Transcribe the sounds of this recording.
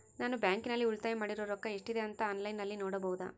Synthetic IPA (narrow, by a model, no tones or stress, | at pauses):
naːnubjaːŋkinɐlːiuɭt̪aːjemaːɽiɾoːɾɔkːɐeʂʈid̪e̞ɐnt̪ɐːnlɐjnːɐlːinoːɽɐbɐɦud̪a̰